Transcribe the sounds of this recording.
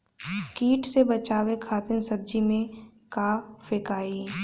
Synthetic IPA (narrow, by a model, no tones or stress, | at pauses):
kiːʈsebət͡ʃaːwekʰaːt̪ɪnsəb̚d͡ʒimẽkaːfɪkaːiː